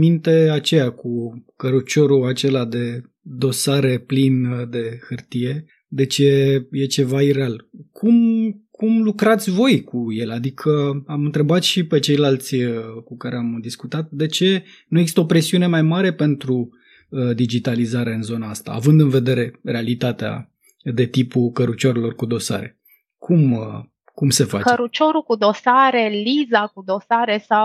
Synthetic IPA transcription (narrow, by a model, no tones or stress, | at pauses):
mint̪e̞at͡ʃe̞jakukəɾut͡ʃo̞ɾuat͡ʃe̞lad̪e̞ | d̪o̞saɾe̞plind̪e̞xɨrt̪ije̞ | d̪e̞t͡ʃeje̞t͡ʃe̞vaiɾealkʰumkumlukɾat̪sʲvo̞jkuje̞lad̪ikʰəamɨnt̪ɾe̞bat̪ʃipe̞t͡ʃe̞jlalt̪sʲəkukaɾeamd̪iskut̪at̪̚d̪e̞t͡ʃe̞ | nueɡzist̪opɾe̞siune̞majmaɾe̞pe̞nt̪ɾu | d̪id͡ʒit̪alizaɾe̞ɨnzo̞naast̪a̰ːvɨnd̪ɨnve̞d̪e̞ɾe̞re̞alit̪at̪ea̰ | d̪e̞t̪ipukəɾut͡ʃoɾelo̞rkud̪o̞sa̰ɾe̞̰ | kʰum | kumse̞fakəɾut͡ʃo̞ɾukud̪o̞saɾe̞lizakud̪o̞saɾe̞saw